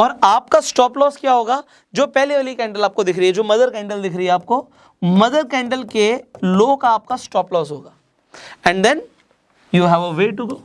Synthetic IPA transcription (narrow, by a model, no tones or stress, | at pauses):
ɔːɾaːp̚kasʈɔːplɔːskjaːɦoːɡaː | d͡ʒoːpɛɦleʋəlikɛ̃ːɳɖəlaːp̚kod̪ɪkʰɾɐɦiɛd͡ʒoːmɐd̪əɾkɛ̃ːɳɖəld̪ɪkʰɾɐɦiɛaːp̚ko | mɐd̪əɾkɛ̃ːɳɖəlkeloːkaːp̚kasʈɔːplɔːsɦoːɡaː | ɛ̃ɳɖd̪ɛ̃n | juɦɛʋəʋeːʈuɡoː